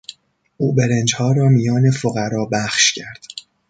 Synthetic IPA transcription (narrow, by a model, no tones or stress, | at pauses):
ʔuːbe̞ɾend͡ʒhɒːɾɒːmijɒːne̞foɣæɾɒːbæχʃcʰæɾd̪̥